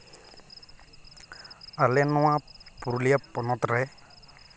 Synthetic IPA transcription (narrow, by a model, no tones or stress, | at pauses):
alenʊ̃apuɾuliapɔnɔt̪ɾɛ